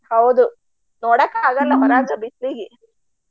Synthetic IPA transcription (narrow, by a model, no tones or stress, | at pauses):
hɐwd̪u | noːɽɐkːaːɡɐlːɐmɐɾaːd͡ʒɐbit̪ɾiɡi